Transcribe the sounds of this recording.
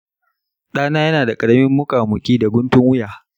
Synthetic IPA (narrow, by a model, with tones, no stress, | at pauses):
ɗaː˦naː˦jɐ˦naː˨da˨kʼɐ˨ɽɐ˦mɪ˦mːʊ˦kaː˨mʊ˨kʲʼiː˦da˨ɡʷʊ˦ntʊ˦ŋwʊ˦jaː˨